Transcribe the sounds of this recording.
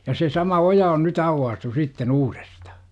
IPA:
jɑ se sɑmɑ ojɑ on nyt ɑuwːɑːstu sitːen uːr̥e̥stɑ̥

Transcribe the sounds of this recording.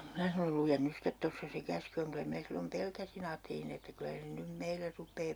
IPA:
minæ sɑnol lujen nys stet tosːɑ se kæsky oŋ kylæ minæ silːom pelkæsin ɑːtːelin etːæ kylæ se nym meilːer rupˑeː

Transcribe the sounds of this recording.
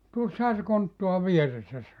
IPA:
tuosːɑhɑ se kontːuɑ ʋieresːæ sɑno

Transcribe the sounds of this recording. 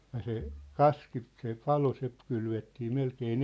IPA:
jɑ se kɑski se pɑlo se kylʋetːiː melkeːn

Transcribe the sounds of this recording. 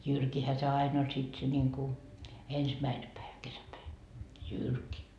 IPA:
jyrkihæ se ɑin olʲ sit se nʲiŋku ensmæine pæiʋæ kesæpæi jyrki

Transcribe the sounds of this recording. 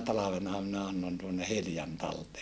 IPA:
tɑlɑʋenɑ minæ ɑnːon tuonːe hiljɑn tɑlteː

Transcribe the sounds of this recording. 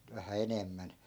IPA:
ʋæhæ enemːæn

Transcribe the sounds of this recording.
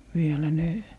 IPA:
ʋielæ ne

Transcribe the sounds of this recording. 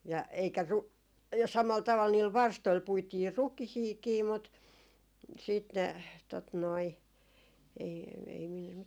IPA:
jɑ eikæ ru jɑ sɑmɑl tɑʋɑl niːl ʋɑrstoil puitiː rukihiːkiː mut siːt ne tot noi ei ei min

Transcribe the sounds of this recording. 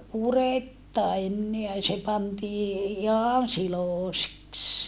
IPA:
kuretːɑ enːeæ se pɑntiː ihɑn siloˑseks

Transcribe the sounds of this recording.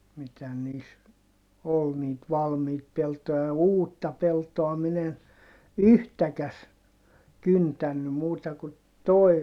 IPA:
mitæ niːs ol niːt ʋɑlmiːt peltojɑ jɑ uːtːɑ peltoɑ min en yhtækæs kyntænːy muːtɑ ku toi̯

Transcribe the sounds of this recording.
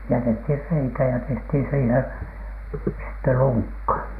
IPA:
jætethir reikæ jɑ tehthiˑn siːhen sitːe luŋkːɑ

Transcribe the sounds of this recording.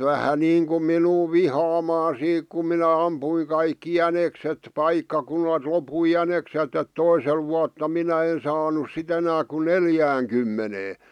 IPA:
ʋæhæ niːŋkum minuː ʋihɑːmɑː siːk kum minæ ɑmpuiŋ kɑikːi jænekset pɑikːɑkunɑlt lopui jæneksetˑ et toisel ʋuɑtːɑ minæ en sɑːnus sit enæː ku neljæːŋkymːeneː

